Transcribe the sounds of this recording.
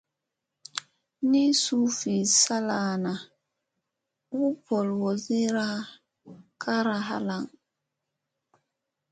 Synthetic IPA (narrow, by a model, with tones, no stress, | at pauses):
ni˦su˦fi˨sa˦la˨na˨ | wu˦pɔ˨lwo˨zi˦ɾa˦ | kʰa˦ɾa˨ɦa̰˦la˦˨ŋ